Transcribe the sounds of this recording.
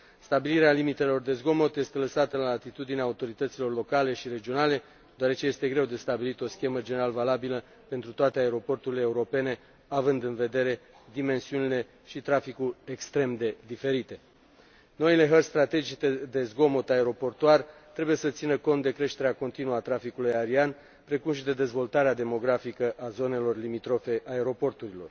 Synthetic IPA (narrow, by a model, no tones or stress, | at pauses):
st̪abiliɾealimit̪e̞lo̞rd̪e̞zɡo̞mo̞t̪jest̪e̞ləsat̪əlaːt̪it̪ud̪ineaːut̪o̞ɾit̪ət̪silo̞rlo̞kale̞ʃiɾe̞d͡ʒio̞nale̞ | d̪oaɾe̞t͡ʃe̞je̞st̪e̞ɡɾe̞wd̪e̞st̪abilit̪o̞skʲe̞məd͡ʒe̞neɾalvalabilə | pe̞nt̪ɾut̪oat̪eae̞ɾo̞po̞rt̪uɾileːuɾo̞pe̞ne̞ | avɨnd̪ɨnve̞d̪e̞ɾe̞ | d̪ime̞nsiunile̞ | ʃit̪ɾafikurʲekst̪ɾe̞md̪e̞d̪ife̞ɾit̪e̞ | no̞ile̞ɦərst̪ɾat̪e̞d͡ʒit̪ed̪e̞zɡo̞mot̪ae̞ɾo̞po̞rt̪uart̪ɾe̞buje̞sət̪sinəko̞nt̪̚d̪e̞kɾe̞ʃt̪e̞ɾeako̞nt̪inuat̪ɾafikulujaɾian | pɾe̞kumʃid̪e̞d̪e̞zvo̞lt̪aɾead̪e̞mo̞ɡɾafikəʔazo̞ne̞lo̞rlimit̪ɾo̞fe̞ʔae̞ɾo̞po̞rt̪uɾilo̞rd